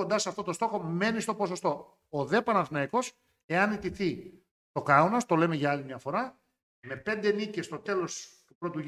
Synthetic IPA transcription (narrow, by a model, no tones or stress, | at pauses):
o̞nd̪ɐseɐft̪o̞t̪o̞st̪o̞xo̞me̞nist̪o̞po̞so̞st̪o̞ː | ðe̞pɐnɐθnɐiko̞s | e̞ɐnit̪iθi | t̪o̞kɐunɐst̪o̞le̞meʝɐɐlimɲɐfo̞ɾɐ | me̞pe̞nd̪e̞nice̞st̪o̞t̪e̞lo̞st̪upɾo̞t̪u